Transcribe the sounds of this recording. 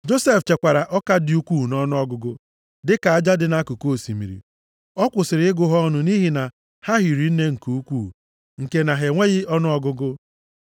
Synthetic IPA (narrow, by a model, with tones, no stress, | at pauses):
d͡ʒo˦se˦ft͡ʃe˨kʷa˨ɾa˨ʔɔ˦ka˦dɪ˨u˦kʷuː˦˨nɔ˦nʊ˦ɔ˦ɡʊ˦ɡʊ˦ | dɪ˦ka˨a˦d͡ʒa˦dɪ˨na˦ku˨ko˦˨sḭ˨mḭ˨ɾḭ˨ | ɔ˦kʷʊ˨sɪ˨ɾɪ˨ɪ˦ɡʊ˦ɦɔ˦nʊ˦ni˦ɦi˨na˨ | ha˦ɦi˨ɾi˨n̩˦ne˦ŋ̩˨ku˨u˦kʷu˦˨ | ŋ̩˨ke˨na˨ɦe˨ŋʷe˦ɣɪ˦ɔ˦nʊ˦ɔ˦ɡʊ˦ɡʊ˦